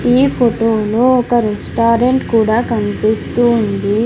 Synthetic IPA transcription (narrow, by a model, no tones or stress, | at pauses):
iːpʰoʈoːluɔkɐɾesʈaːɾeɳʈkuːɽaːkɐnipist̪uːnd̪i